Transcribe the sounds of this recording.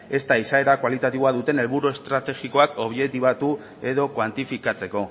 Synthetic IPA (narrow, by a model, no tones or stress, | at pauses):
e̞st̪aisae̞ɾakwalit̪at̪iβoaðut̪e̞ne̞lβuɾue̞st̪ɾat̪e̞ɣiko̞ako̞βʝe̞t̪iβat̪u | e̞ðo̞kwant̪ifikat͡se̞ko̞